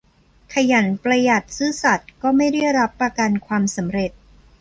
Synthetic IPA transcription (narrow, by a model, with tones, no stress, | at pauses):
kʰa˧ja˩˦npɾa˧ja˨˩t̪̚sɯː˦˥˩sa˨˩t̪̚kɔː˥˩ma˥˩jda˥˩jɾa˦˥pːɾa˧ka˧nkʰwaː˧msa˩˦mɾe˨˩t̪̚